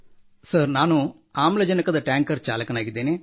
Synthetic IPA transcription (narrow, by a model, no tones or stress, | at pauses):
səɾnaːnu | aːmlɐd͡ʒɐnɐkɐd̪ɐʈaːŋkɐɾt͡ʃa̰ːlɐkɐnaːɡid̪eːneː